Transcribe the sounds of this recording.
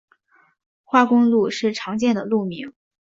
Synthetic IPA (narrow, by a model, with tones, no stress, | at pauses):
xwa˥˩kʊ˥ŋlu˥˧ʂɻ̩˥˩ʈ͡ʂʰɑ˧˥ŋt͡ɕjɛ˥˩nd̪ə˩lu˥˩mi˧˥ŋ